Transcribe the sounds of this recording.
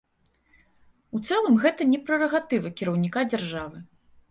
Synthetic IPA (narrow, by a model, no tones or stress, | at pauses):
ut̪sɛlˠɐmɣɛt̪ɐnʲɛpɾɐrɐɣat̪ɨvɐkʲiɾɐwnʲikad͡zʲarʐavɨ